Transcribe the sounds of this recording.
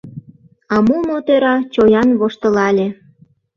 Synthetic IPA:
ɑmumot̪øɾɑt͡ɕojɑnβoʃt̪ə̆lɑlʲe

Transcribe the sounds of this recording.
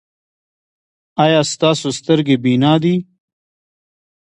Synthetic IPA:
aːjɑːst̪ɑːsost̪əɾɡebinaːd̪i

